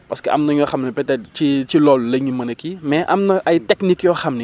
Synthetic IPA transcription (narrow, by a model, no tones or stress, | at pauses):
pɐskəʔɐ̰mnɐɲɔxɐmnipɛtɛt͡ʃit͡ʃilɔlləɲimɐnɐkimɛʔɐmnɐʔɐjtɛknikjɔxɐmni